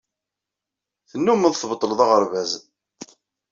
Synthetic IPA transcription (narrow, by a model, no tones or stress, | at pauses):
θənːuməðθbət̪ˤːələðˤɑʁəɾˤvæz